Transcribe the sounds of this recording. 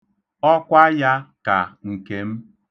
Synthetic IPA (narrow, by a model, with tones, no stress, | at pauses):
ɔ˦kʷa˦ja˦ka˨ŋ̩˨ke˦m̩˦